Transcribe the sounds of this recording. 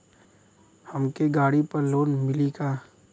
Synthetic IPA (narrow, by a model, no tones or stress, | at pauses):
hɐmkeɡaːɽipɐɾloːnmɪlikaː